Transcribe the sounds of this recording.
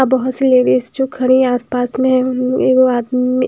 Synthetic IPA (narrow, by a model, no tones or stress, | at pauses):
abɐɦʊt̪sileːɽiːsd͡ʒoːkʰɐɽ̃ĩaːspaːsmẽɦɛ̃ʊneoaːd̪mimẽ